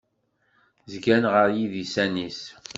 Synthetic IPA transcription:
zɡænʁəɾjiðisænis

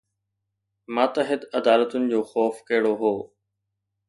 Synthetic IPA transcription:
maːt̪ɐɦɪd̪ɐd̪aːlət̪ʊnɪ̆d͡ʑoːxɔːfkɐɦɪɽoɦoː

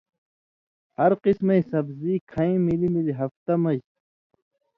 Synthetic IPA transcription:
hɐɾqismejsɐbziːkʰɐĩmilimiliɦɐft̪ɐmɐj

